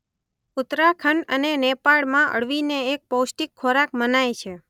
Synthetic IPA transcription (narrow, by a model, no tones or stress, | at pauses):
ʊt̪ɾakʰəɳənenepaɭmãʔə̰ɽʋineːk̚powsʈikʰːoɾakmənajt͡ʃʰe